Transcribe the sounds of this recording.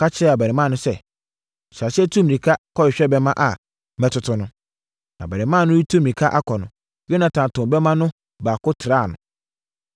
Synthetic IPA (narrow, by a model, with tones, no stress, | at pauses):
ka˦t͡ɕʰɪ˦ɾɛ˦a˨bɛ˨ɾɪ˨mã˦˨nʊ̃˦sɛ˦˨ | ɕa˨sɪ˦ɛ˦tʰu˦mĩ˨ĩ˨kʰa˦kʰɔ˦ɪ˨ɕᶣɛ˦bɛ˦mã˦ʔa˨ | mɛ̃˨tʰʊ˨tʰʊ˦nʊ̃˦ | nã˨bɛ˨ɾɪ̃˨mã˦˨nʊ̃˦ji˦tʰu˦mĩ˨ĩ˨kʰa˦ʔa˦kʰɔ˨nʊ̃˨ | ɥɛ˦nã˨tʰã˨ntʊ̃˨mbɛ˦mã˦nʊ̃˦ | baː˨kʊ˦tʰɪ˨ɾaː˦˨nʊ̃˨